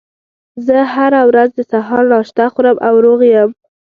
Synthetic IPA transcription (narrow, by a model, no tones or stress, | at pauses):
zəhaɾawɾazd̪əsaɦɑɾnɑʃt̪axuɾəmʔawɾoɣjəm